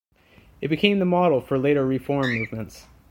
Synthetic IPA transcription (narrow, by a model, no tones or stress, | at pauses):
ɨt̚b̥ɨkʰẽɪ̃mðəmɑɾl̩ˠfə˞leɪɾə˞ɹifɔɹmːʉvmə̃nts